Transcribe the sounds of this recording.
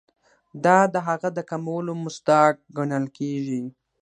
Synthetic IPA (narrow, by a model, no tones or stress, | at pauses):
d̪ɑd̪əɦaɣad̪əkamawəlomʊsd̪ɑk̚ɡaɳəlkeʒi